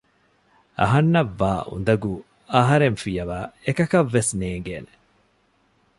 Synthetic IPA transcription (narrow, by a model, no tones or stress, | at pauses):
ɐ̰ɦɐnːɐʋːaːʔṵnd̪ɐɡu | ɐɦɐɾeɱfijɐʋaːekɐkɐʋːesneːŋɡeːne̥